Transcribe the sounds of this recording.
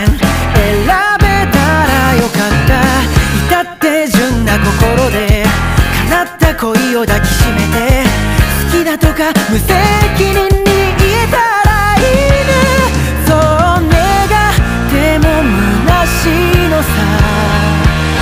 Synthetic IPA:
eɾabe̞t̪aɾajo̞kat̪ːait̪at̪ːe̞ʑɨnːako̞ko̞ɾo̞d̪e̞kʰanat̪ːako̞io̞d̪akʲi̥ɕime̞t̪e̞sɨ̥kʲid̪at̪o̞kamɯ̟se̞kʲinɯ̟ɲːiiet̪a | ɾa | ine | sone | ɡa | t̪e̞mo̞mɯ̟naɕi | no̞sa

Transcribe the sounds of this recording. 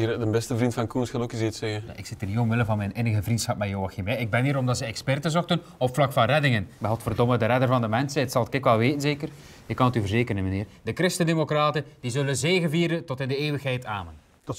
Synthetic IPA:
iɾdənbɛstəvrintfɑnkunsəlˠokizitsɛɣəja̰ʔɪksɪtəniomʋɪləvɑnmɛjnɪnəɣəvrintsxɑp̚mɛjoːɑximɛjɪɡ̚bɛniːɾɔmdɑtsɛɛkspɛrtənzɔxtən | ɔpflɑkfɑnrɛdɪŋənʋɛɦɔlˠtfərdɔmədəɾɛdərvɑndəmɛnsɛtsɑlˠkɪkʋɛlˠʋeːtənzeːkər | ɪkːɑnətyvərzeːkəɾənməneːrdəkrɪstəndemokraːtənd̥izɵlənzeːɣənviːɾəntɔtɪndəeːwəxɦɛjtaːmən | d̥

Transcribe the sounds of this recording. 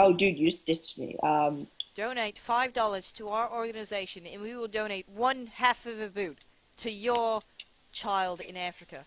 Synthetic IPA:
oʊdʉdjʉstɪt͡ʃmḭʔʌ̃md̥õʊ̃ñeɪtfaɪvdɔlˠə˞z̥tʰəaʊə˞ɔɹɡɨnɨzeɪʃɨ̃nɨ̰̃nwiwɪlˠdõʊ̃ñeɪt̚wʌ̃nhæfʌvɨbʉtʰ | ɨjə˞ | t͡ʃʰaɪlˠdɪ̰̃næfɹɨkɨ

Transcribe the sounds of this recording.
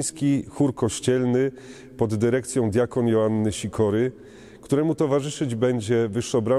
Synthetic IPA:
skʲixuɾkɔɕt͡ɕɛlnɘ | pɔd̪ːɘɾɛkt̪sʲjɔ̃w̃d̪ʲjakɔnjɔanːɘɕikʰɔɾɘ | kt̪uɾɛmut̪ɔvaʐɘʂɘd͡ʑbɛɲd͡ʑɛvɘʂːɔbɾa

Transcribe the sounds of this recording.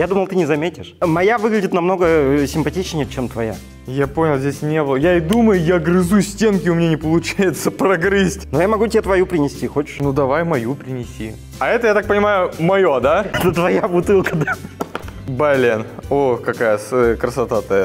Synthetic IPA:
jad̪uməlˠt̪ɨnʲɪzɐmʲetʲɪʂmɐjavɨɡlʲɪdʲɪt̪nɐmno̞ɡəsʲɪmpɐtʲit͡ɕnʲɪjət͡ɕemt̪vɐja̰ | japo̞nʲɪlˠzʲdʲesʲnʲebɨlˠəjaɪd̪uməjʊjaɡɾɨzusʲtʲe̞nkʲɪʊmʲɪnʲenʲɪpəlˠʊt͡ɕajɪt̪səpɾɐɡɾɨsʲtʲnujamɐɡutʲɪet̪vɐjupɾʲɪnʲɪsʲtʲixo̞t͡ɕɪ̥ʂnud̪ɐvajmɐjupɾʲɪnʲɪsʲḭ | ɐɛt̪əjat̪ak̚pənʲɪmajʊmɐjo̞d̪aɛt̪ət̪vɐjabʊt̪ɨlˠkəd̪a | balʲenokɐkajəskɾəsɐt̪at̪ə

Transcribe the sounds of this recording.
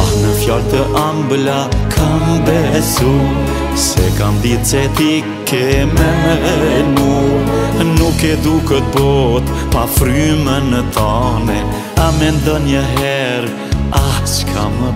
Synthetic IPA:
anəfjalt̪əʔamblakʰambɛsu | sɛ̰kamd̪it͡sɛt̪i | kɛmɛ | nu | nukɛd̪ukət̪̚bɔt̪pafɾymənət̪anɛ | amɛnd̪ɔnjəɦɛɾ | askʰamə

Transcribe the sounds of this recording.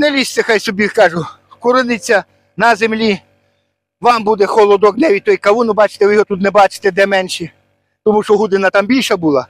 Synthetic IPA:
nɛlʲisʲt̪ʲɐxɑjsɔbʲikɑʒʊ | kʊɾɪnɪt͡sʲːɐ | nɐzemlʲi | ʋɑmbud̪ɛxɔlˠɔd̪ɔɡ̚nɛʋʲit̪ɔjikɐʋunʊbɑt͡ʃɪ̥t̪ɛʋɪjɦɔt̪ut̪nɛbɑt͡ʃɪ̥t̪ɛd̪ɛmɛnʃi | t̪ɔmuʃt͡ʃɔɦud̪ɪnɐt̪ɑmbʲilʲʃɐbulˠɑ

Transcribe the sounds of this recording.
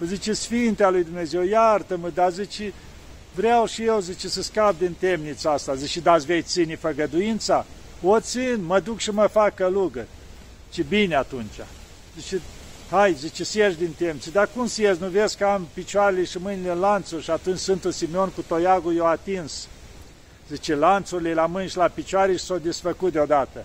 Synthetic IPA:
əzit͡ʃisfint̪ealujd̪umne̞zewjart̪əməd̪azit͡ʃi | vɾeawʃijewzit͡ʃesəskap̚d̪int̪e̞mnit̪səast̪azit͡ʃid̪at̪sʲvej̪sinifəɡəd̪ujint̪sa | ot̪sinməd̪ukʃiməfakəluɡə | t͡ʃibinʲeat̪unt͡ʃa̰ | zit͡ʃe | hajzit͡ʃesəjeʃd̪int̪emnit͡ssed̪akumsjeznuveskəampit͡ʃoaɾeleʃimɨnilenlant̪surʲʃiat̪unt͡ʃʲsɨnt̪unsimeo̞nkut̪ojaɡujewat̪ins | zit͡ʃelant̪suɾilelamɨnʲʃilapit͡ʃoaɾeʃi̥sawd̪esfəkut̪̚d̪eod̪at̪ə

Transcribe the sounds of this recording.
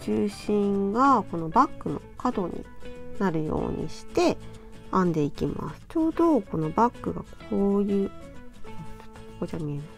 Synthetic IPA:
t͡ɕɨːɕĩŋɡako̞no̞bakːɯ̟no̞̰kad̪o̞ɲ̟ḭnaɾɯ̟jo̞̰ːɲ̟ʔḭɕi̥t̪e̞ãnd̪e̞ikʲima̰sɨ̥t͡ɕo̞ːd̪o̞ko̞no̞bakːɯ̟ɡa̰kʰoːjɯ̟ː | okod͡ʑamʲiema

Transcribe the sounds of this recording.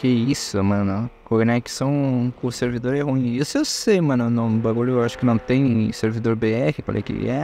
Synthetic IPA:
kɛisʊmɐ̃nʊkoneksɐ̃w̃kõseɾvid̪oɾɛɦũĩesɪewsejmɐ̃nʊnɐ̃baɡuʎʊewaʃʊ̥kɪnɐ̃w̃t̪ẽj̃seɾvid̪oɾbeɛhɪfa̰lḛjkɪ̰ɛ

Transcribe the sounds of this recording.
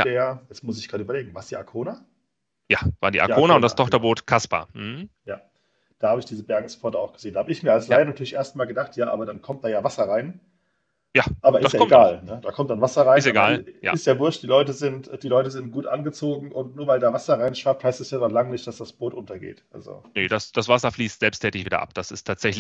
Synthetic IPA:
d̥eajɛt͡smʊsɪçɡ̥ʁaːdəyːbɐleːɡŋ̩vaːsd̥iːakʰoːna | jaːva̰ːɐdḭːʔa̰kːoːnaʊntd̥astʰɔχtɐboːtkʰaspa̰ːm̩h̩jaː | d̥aːhaːbəɪçd̥iːzəbɛɐɡŋ̩sfʰɔɐtəaʊxɡ̥əzeːndahaːbəɪçmiːɐalslaɪənatʰyːɐlɪçʔeːɐstmaːlɡədaχtjaːʔa̰ːbɐdankʰɔmtd̥aːjaːvasɐʁaɪn | jaːʔaːbɐʔɪsdsjakɔɡaːlnəd̥aːkʰɔmt̚d̥anvasɐʁaɪsnseɡaːlja̰ːɪstjaːvʊɐstd̥iːlɔʏtəzɪntd̥iːlɔʏtəzɪnt̚ɡ̥uːtʔa̰nɡət͡soːɡŋ̩ʔʊntnuːɐvaɪldaːvasɐʁaɪnʃv̥aɐp̚thaɪstɛsjaːdɔχlaŋənɪçtd̥asd̥asb̥oːtʔʊntɐɡḛːtʔa̰lzo̰nəd̥asd̥asv̥asɐfliːstz̥ɛlpstʰɛːtɪçv̥iːdɐ̰ʔa̰pd̥asɪstʰaːtz̥ɛçlɪ

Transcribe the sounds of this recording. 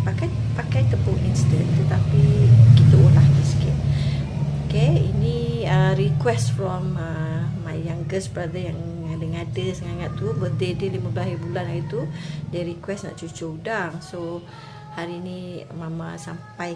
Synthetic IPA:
pakajpakajt̪əpoʔinst̪ənt̪ət̪apikit̪əulahməskɪt | okeiniəɾikwɛsfɾɔməːajaŋɡəsbɾad̪əjaŋadəŋadəsəŋaŋat̪̚ːubədedəliməblaɦibulanait̪udiəɾikwɛsna̰ʔt͡ʃut͡ʃoudaŋso | haɾiːnimamãsampaj

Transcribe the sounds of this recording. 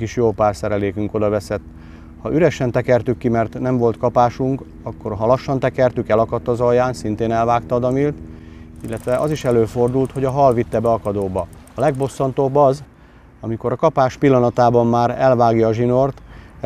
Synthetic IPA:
kiʃjoːlpaːrsɛɾɛleːkyŋko̞d̪ɒvɛsɛt̪ː | hɒʔyɾɛʃɛnt̪ɛkɛrt̪ykːimɛrt̪nɛɱvo̞lt̪kɒpaːʃuŋk | ɒkːo̞rɦɒlɒʃːɒnt̪ɛkɛrt̪ykɛlɒkɒt̪ːɒzɒjːaːnsint̪eːnɛlvaːkt̪ɒːd̪ɒmilt̪ | ilːɛt̪ʋɛʔɒziʃɛløːfo̞rd̪ult̪ho̞ɟɒɦɒlvit̪ːɛbɛɒkɒd̪oːbɒ | ɒlɛɡbo̞sːɒnt̪o̞bːɒz | ɒmiko̞ɾɒkɒpaːʃpilːɒnɒt̪aːbɒmmaːɾɛlvaːɡjɒːʒino̞rt̪

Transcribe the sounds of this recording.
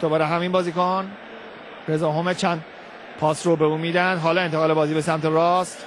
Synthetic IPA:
d̪̥obɒːɾeɦæminbɒːziːkon | ɾezɒːɦomet͡ʃʰænd̪ | pʰɒːsɾobeuːmiːd̪ænd̪ɦɒːlɒːent̪ʰeɣɒːle̞bɒːziːbesæmt̪ʰeɾɒːst̪

